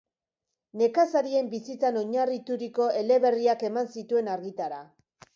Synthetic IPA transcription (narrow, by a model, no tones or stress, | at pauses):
ne̞kasaɾie̞mbisit͡sano̞ɲarit̪uɾiko̞ʔe̞le̞βe̞riake̞mansit̪ue̞naɾɣit̪aɾa